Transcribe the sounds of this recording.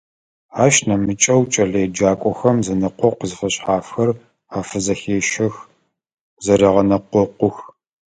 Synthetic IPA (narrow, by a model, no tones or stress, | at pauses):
aːʃnɐmɨt͡ʃʼɐwt͡ʃʼɐɮejd͡ʒaːkʷʼɔxɐmzɐnɐqʷɔqəzɨfɐɕʼħaːfxɐr | aːfɨzɐxeːʃɐx | zɐɾeːʁɐnɐqʷɔqʷʊx